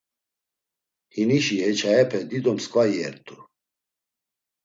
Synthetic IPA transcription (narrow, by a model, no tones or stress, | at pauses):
hiniʃihɛt͡ʃʰaɛpʰɛd̪id̪ɔmskʼvajɛ̰ɾt̪ʰʼu